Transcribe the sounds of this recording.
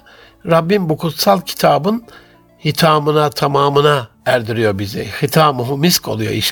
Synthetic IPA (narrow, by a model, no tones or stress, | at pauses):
ɾabːinbukʰut̪salˠcʰi̥t̪ʰaːbɯn | hit̪ʰaːmɯnat̪ʰamaːmɯna | æɾd̪iɾijo̞bizɛ̰xit̪ʰaːmuɦumiskʰo̞lˠujo̞̰iʃ